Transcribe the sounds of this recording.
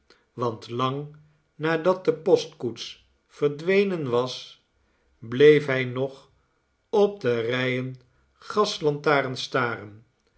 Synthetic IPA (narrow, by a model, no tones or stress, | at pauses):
ʋɑntlɑŋ | naːdɑt̚dəpɔstkuts | fəɹdʋejnənʋɑs | blejfɦɛjnɔχ | ɔb̚dərɛjən | χɑslɑntaːrənstaːrən